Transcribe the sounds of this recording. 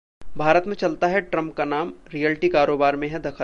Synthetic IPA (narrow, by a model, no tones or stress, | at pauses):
bʱaːɾət̪mẽt͡ʃɐlt̪aɦɛʈɾɐ̃mp̚kanaːmɾijɛlʈikaːɾoːbaːɾmẽɦɛ̃d̪ɐkʰə